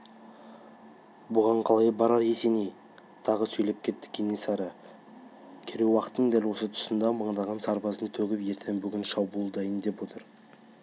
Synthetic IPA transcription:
bʊʁɑɴqʰɑlˠɑjbɑɾɑɾje̞se̞nej | t̪ʰɑʁəsɵjlep̚kʲʰe̞t̪ːɪ̥kʲʰːenesɑɾə | kʲʰeɾewɑqət̪ːəɴd̪ælwo̞sət̪ʰʊ̥sənd̪ɑməɴd̪ɑʁɑnsɑɾbɑzənt̪ʰɵɡʲɪpje̞ɾt̪ʰembʏɡʲɪnʃɑbulˠd̪ɑjənd̪e̞pwo̞t̪əɾ

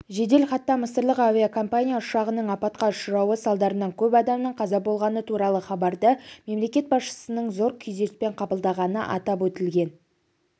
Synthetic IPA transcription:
ʒe̞d̪e̞lχɑt̪ːɑməsəɾlˠəqavʲiakʰo̞mpanʲijaʊʃɑʁənəɴɑpɑt̪̚qɑʊʃəɾɑwəsɑlˠd̪ɑɾənɑɴkʲʰɵpɑd̪ɑmnəɴqʰɑzɑbo̞lˠʁɑnət̪ʰuɾɑlˠəχɑbɑɾd̪əme̞mle̞kʲe̞t̪̚bɑsʃə̥sənəɴzo̞ɾkʲʰʏjze̞spe̞ɴqʰɑbəlˠd̪ɑʁɑnə̰ʔɑ̰t̪ɑpwɵt̪ɪlɡʲe̞n

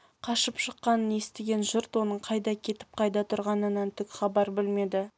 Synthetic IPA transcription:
qʰɑʃəpʃəqːɑnənje̞st̪eɡʲe̞nʒʊɾt̪wo̞nəɴqʰɑjd̪ɑkʲʰe̞t̪ɪ̥p̚qʰɑjd̪ɑt̪ʰʊɾʁɑnənɑnt̪ʰʏkχɑbɑɾbɪlme̞d̪ɪ

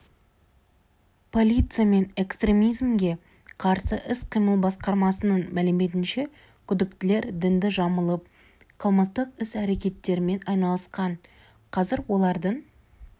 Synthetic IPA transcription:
pʰo̞lʲijt̪sɨjame̞ne̞kst̪ɾʲe̞mijzmɡʲe̞ | qʰɑɾsəʔɪsqʰijməlˠbɑsqɑɾmɑsənənmælɪmːe̞t̪̬ɪnʃe̞ | kʲʰʏd̪ɪk̚t̪ɪle̞ɾd̪ɪnd̪ɪʒɑməlˠəp̚ | qʰəlˠməst̪əqɪsæɾe̞kʲe̞t̪ːe̞ɾɪme̞nɑjnɑlˠəsqɑɴ | qʰɑzɪɾwo̞lˠɑɾd̪əɴ

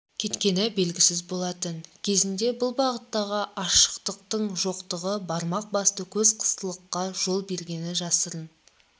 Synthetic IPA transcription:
kʲʰe̞t̪kʲe̞nɪbe̞lɡʲɪsɪzbo̞lˠɑt̪ənkʲʰe̞zɪnd̪e̞bʊlˠbɑʁət̪ːɑʁəʔɑʃə̥qt̪əq̚t̪əɴʒo̞qt̪əʁəbɑɾmɑq̚bɑst̪əkʲʰɵzqʰə̥st̪əlˠəqːɑʒo̞lˠbe̞ɾɡʲe̞nɪʒɑsəɾən

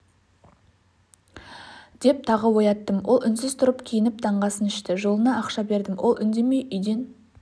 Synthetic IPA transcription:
d̪̥e̞p̚t̪ʰɑʁəwo̞jɑt̪ːəmwo̞lˠʔʏnsɪz̥t̪ʰʊɾəpkʲʰijɪnɪp̚t̪ʰɑɴʁɑsənɪʃt̪ɪʒo̞lˠənɑːqʃɑbe̞ɾd̪ɪmwʔo̞̰lˠʏnd̪e̞me̞jʔʏjd̪e̞n

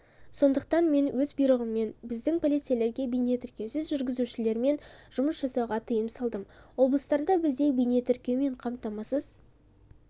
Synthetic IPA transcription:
so̞nd̪əq̚t̪ɑnme̞nwɵzbijɾəʁəmːe̞nbɪzd̪ɪŋpʰolʲijt̪siele̞ɾɡʲe̞bijne̞t̪ʰʏɾkʲe̞wsɪzʒʏɾɡʲɪzuʃɪle̞ɾme̞nʒ̥ʊməsʒɑsɑwʁɑt̪ʰəjəmsɑlˠd̪əmwo̞blˠəst̪ɑɾd̪ɑbɪzd̪e̞jbijne̞t̪ʰʏɾkʲe̞wme̞ɴqʰɑmt̪ɑmɑsəz

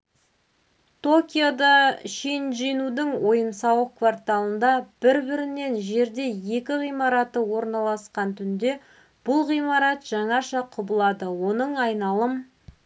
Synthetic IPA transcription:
t̪ʰo̞kʲijod̪ɑʃenʒenud̪ɪŋwo̞jənsɑwəqkvart̪alˠənd̪ɑb̥ɪɾbɪɾɪne̞nʒe̞ɾd̪e̞je̞kʲɪʁijmɑɾɑt̪əwo̞ɾnɑlˠɑsqɑnt̪ʰʏnd̪e̞ | b̥ʊlˠʁijmɑɾɑt̪ʒ̥ɑɴɑʃɑqʰʊbəlˠɑd̪əwo̞nəɴɑjnɑlˠəm

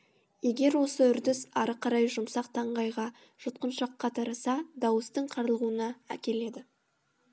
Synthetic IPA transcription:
je̞ɡʲe̞ɾwo̞səʏɾd̪ɪsɑɾəqʰɑɾɑjʒʊmsɑqt̪ʰɑɴʁɑjʁɑ | ʒ̥ʊt̪̚qənʃɑqːɑt̪ʰɑɾəsɑd̪ɑwəst̪əɴqʰɑɾlˠʁuənɑæ̰kʲe̞le̞d̪ɪ

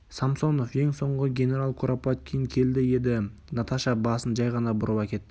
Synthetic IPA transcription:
samso̞no̞fje̞ŋso̞ɴʁəɡʲe̞ne̞ɾalˠkʰuɾapat̪̚kʲʰejŋkʲʰe̞ld̪ɪje̞d̪ɪ | nɑt̪ʰɑʃɑbɑsənʒɑjʁɑnɑbʊɾəpɑkʲe̞t̪ː

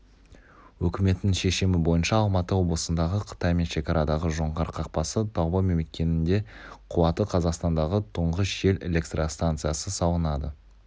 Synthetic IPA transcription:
wɵkʲɪme̞t̪ːɪŋʃe̞ʃɪmɪbo̞jənʃɑːlˠmɑt̪əwo̞blˠəsənd̪ɑʁəqʰə̥t̪ɑjme̞nʃe̞kʲɑɾɑd̪ɑʁəʒo̞ɴʁɑɾqʰɑq̚pɑsət̪ʰoʁbome̞mlʲɪkʲe̞nɪnd̪e̞qʰʊwɑt̪əqʰɑzɑqst̪ɑnd̪ɑʁət̪ʰʊɴʁəsʒe̞le̞̰lʲe̞kt̪rast̪ant̪sɨjasəsɑwˠənɑd̪ə

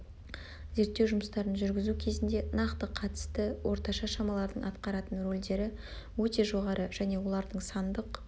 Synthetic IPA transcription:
ze̞ɾt̪ːewʒʊməst̪ɑɾənʒʏɾɡʲɪzukʲʰe̞zɪnd̪e̞nɑqt̪əqʰɑt̪ə̥st̪əwʔo̞ɾt̪ɑʃɑʃɑmɑlˠɑɾd̪əɴɑt̪qɑɾɑt̪ənro̞lʲd̪e̞ɾɪ | wɵt̪e̞ʒo̞ʁɑɾʔəʒ̥æne̞wo̞lˠɑɾd̪əɴsɑnd̪əq

